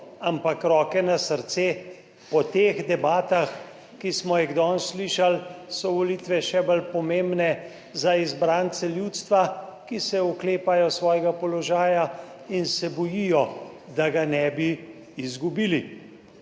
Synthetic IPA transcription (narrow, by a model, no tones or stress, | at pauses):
ampakɾɔːkɛnasəɾt̪seː | pɔt̪eːɣd̪ɛbaːt̪ax | kismɔjiɣd̪ɔːnsliʃalsɔʋɔlit̪ʋɛʃɛbəlpɔmembnɛ | zaizbɾaːnt̪sɛljuːt̪st̪ʋakisɛukleːpajɔsʋɔːjɛɡapɔlɔʒaːja | insɛbɔjijɔd̪aɡanɛbi | izɡubiːli